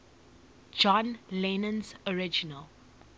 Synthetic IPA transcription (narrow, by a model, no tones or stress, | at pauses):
d͡ʒɔ̃nlɛnə̃nzɔɹɪd͡ʒinəl